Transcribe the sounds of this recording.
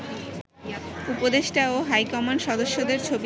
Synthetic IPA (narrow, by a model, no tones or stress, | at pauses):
upod̪eʃʈaoɦajkɔmanʃɔd̪oʃːod̪eɾt͡ɕʰob